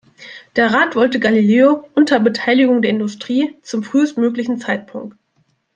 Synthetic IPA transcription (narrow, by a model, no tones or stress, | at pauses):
d̥eːɐʁaːtv̥ɔltəɡalileːoʔʊntʰɐbətʰaɪlɪɡʊŋdeːɐɪndʊstʁ̥iːt͡sʊmfʁ̥yːəstmøːklɪçn̩t͡saɪt̚pʰʊŋk̚t